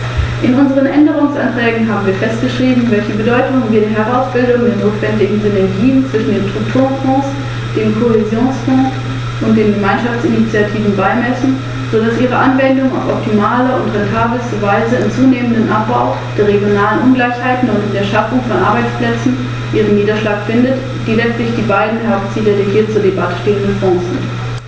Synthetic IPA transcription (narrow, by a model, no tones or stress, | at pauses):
ʔɪnʔʊnzəʁ̞ənʔɛndəʁ̞ʊŋsantʁ̥ɛːɡŋ̩ɦaːbm̩viːɐfɛst̚ɡ̥əʃʁ̥iːbm̩vɛlçəbədɔʏtʊŋənviːɐdeːɐɦɛʁ̞aʊsb̥ɪldʊŋdeːɐnoːtv̥ɛndɪɡŋ̩zʏnɛɐɡiːənt͡sv̥ɪʃn̩deːntʁ̥ʊk̚tʰuːʁənfɔ̃ːs | d̥eːmkʰohɪzjoːnsfɔ̃ːs | ʔʊnt̚d̥eːmɡəmaɪnʃaft͡sinit͡sjatʰiːvn̩baɪmɛsn̩ | z̥odasʔiːʁ̞əʔanvɛndʊŋa̰ʊfɔptʰimaːlɐʊntʁɛntʰaːbləstəvaɪzəɪnt͡suːneːməndənʔap̚b̥aʊ | d̥eːɐʁ̞eɡjonaːlənʔʊnɡlaɪçhaɪtn̩ʊntndeːɐʃafʊŋfɔnʔa̰ɐbaɪt͡spl̥ɛt͡sn̩ | ʔiːʁ̞ənːiːdɐʃlaːkfɪndət | d̥iːlɛt͡stlɪçd̥iːbaɪdn̩hɛɐkt͡siːləeɡiːɐtt͡suːɐdebatə̥ʃteːəndəfɔ̃ːsz̥ɪ̰nt